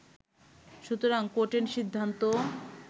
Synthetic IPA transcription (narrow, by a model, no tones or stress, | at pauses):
ʃut̪oɾaŋkoʈeɾʃid̪ʱːant̪o